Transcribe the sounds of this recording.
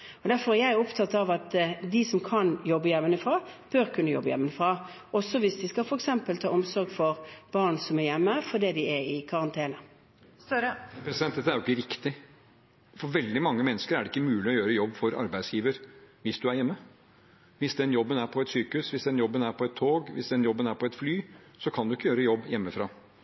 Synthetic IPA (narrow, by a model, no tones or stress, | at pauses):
ɔd̪æɾfɔɾæɾjæɪɔpt̪ʰɑt̪ɑʋɑt̪d̪ɪsɔmkʰɑnjɔbːəjɛmːənəfɾɑːb̥øɾkʰʉnːəjɔ̰bːəjɛ̰mːənəfɾɑː | ɔsːɔʋɪsd̪ɪskɑlfɔɾɛksɛmpəlt̪ʰɑ̰ːɔmsɔɾɡfɔɾb̥ɑːɾnsɔmæjɛmːəfɔd̪eːd̪ɪɛɪkʰɑɾɑnt̪ʰeːnə | pɛsɪd̪ɛnt̪d̪ɛt̪ːəæɾjʊɪkːəɾɪkt̪ɪ | fɔɾʋɛld̪ɪmɑŋːəmɛnːəskəɾæɖɛɪkːəmʉːlɪɔjøːɾəjɔbːfɔɾɑ̰ɾbæɪsjiːʋəɾʋɪsd̪ʉæɾjɛmːə | ʋɪsd̪ɛnjɔbːənæɾpʰɔɛt̪syːkəʉsʋɪsd̪ɛnjɔbːənæɾpʰɔɛt̪ʰːoːɡʋɪ̰sd̪ɛnjɔbːənæɾpʰɔɛt̪flyː | sɔkʰɑnd̪ʉɪkːəjøːɾəjɔbːjɛmːəfɾɑ̰ː